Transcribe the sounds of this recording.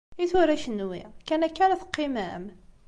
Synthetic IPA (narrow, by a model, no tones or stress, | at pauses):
iθʊɾæʃənwikænækːænæθə̥qːimæm